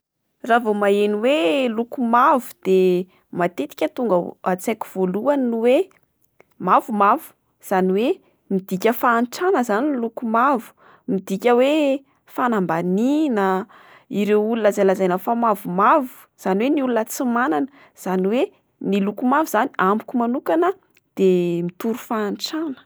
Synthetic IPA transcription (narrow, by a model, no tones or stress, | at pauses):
ravomaeniwelukumavu̥d̪̥e | mat̪et̪i̥kʲət̪uŋɡəat͡sakʲi̥v̥oluanwe | mavumavu̥ | z̥aniwe | mid̪ikʲəfaːnʈ͡ʂanəzaninlukumavu̥ | mid̪ikʲəwe | fanambaninə | iɾewulunazalazajnəfamavumavu̥ | z̥aniweniulunət͡simananə | z̥aniwe | nilukumavuzaniambukumanukanə | d̪̥emit̪uɾufaːnʈ͡ʂanə̥